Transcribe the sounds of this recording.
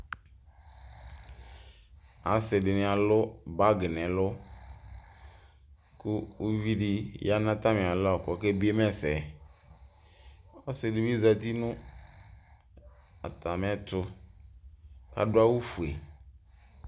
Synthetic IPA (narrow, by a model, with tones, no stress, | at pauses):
a˨sɪ˨dɪ˨nɪ̃˨a˨lʊ˦ba˦ɡɪ˨nɛ̃˨lʊ˦ | kʊ˦u˦vi˦di˦ja˦nã˦t̪a˦mɪ̃˨a˨lʊ˦ɔ˨kɔ˨˦ke˦bi˦e˦mɛ˦sɛ˨ | ɔ˦sɪ˨dɪ˨bi˦za˨t̪i˦nʊ̃˦ | a̰˨t̪a˨m˨˦ɛ˦t̪ʊ˦ | ka̰˦dʊ˦a˦wu˦fu˨e˨